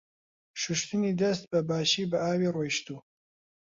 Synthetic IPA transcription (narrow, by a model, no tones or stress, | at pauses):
ʃuʃt̪ɨnid̪ɐst̪̚bɐbaːʃiːbɐʔaːwiːrojʃt̪uː